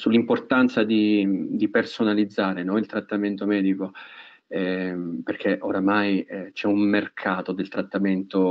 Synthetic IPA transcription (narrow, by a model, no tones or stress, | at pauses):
sulːimport̪ant̪sad̪id̪ipersonalid̪zːaːɾenonilt̪ɾat̪ːament̪omɛːd̪iko | ɛperk̟ʰeʔoɾamajt͡ʃɛummerkʰaːt̪od̪elt̪ɾat̪ːament̪o